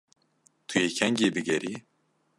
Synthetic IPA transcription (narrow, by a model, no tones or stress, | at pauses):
t̪ʰujeːcʰɛŋɟeːbɨɡɛɾi